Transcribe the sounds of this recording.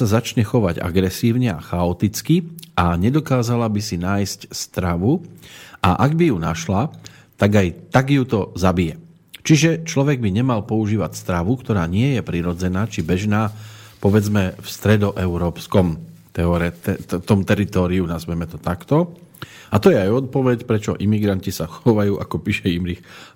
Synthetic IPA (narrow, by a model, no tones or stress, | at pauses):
sazat͡ʃɲɛxɔʋaɟa̰ɡɾɛsiːʊɲɛa̰xaɔt̪it͡skiʔaɲɛd̪ɔkaːzalabisinaːjscst̪ɾaʋu | a̰ʔaɡbijuna̰ʃla | t̪aɡajt̪aɡjut̪ɔzabijɛ | t͡ʃiʒɛt͡ʃlɔʋɛɡ̚biɲɛmalpɔuʒiːʋacst̪ɾaʋukt̪ɔɾaːɲɪɛjɛpɾiɾɔd͡zɛnaːt͡ʃibɛʒnaːpɔʋɛd͡zmɛfst̪ɾɛd̪ɔʔɛʊɾɔːpskɔmt̪ɛɔɾɛt̪ɛt̪ɔmt̪ɛɾit̪ɔːɾiunazʋɛmɛt̪ɔt̪akt̪ɔ | at̪ɔjɛajɔt̪̚pɔʋɛcpɾɛt͡ʃɔ̰ʔimiɡɾancisaxɔʋajuːʔa̰kɔpiːʃɛimɾix